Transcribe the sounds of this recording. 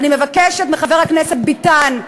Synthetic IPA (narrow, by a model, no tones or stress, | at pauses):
nimevakeʃet̪meχaveʁhakneset̪̚bit̪an